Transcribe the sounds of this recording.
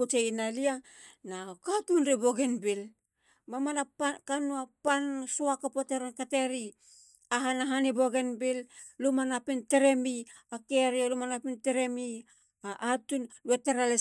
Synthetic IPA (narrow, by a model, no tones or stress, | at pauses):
ot͡ʃeinalia | nakatunɾibo̞ɡenbil | mamanapakanuapansoakapoteɾonkateɾi | aɦanaɦanibo̞ɡenbillumanapinteɾe̞mi | akeɾiolumanapinteɾe̞mi | aʔːtunlueteɾale